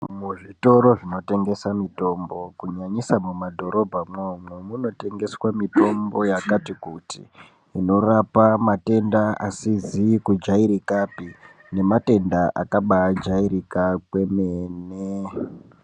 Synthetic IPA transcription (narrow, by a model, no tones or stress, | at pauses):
muʐito̞ɾo̞ʐino̞te̞ŋɡe̞samito̞mbo̞kuɲaɲisamumadʱo̞ɾo̞bʱamomwemuno̞te̞ŋɡe̞swamito̞mbo̞jakatikutḭː | no̞rapamate̞ndaa̰sizikud͡ʒaiɾikapi | ne̞mate̞ndaʔakaɓad͡ʒairikakwe̞mene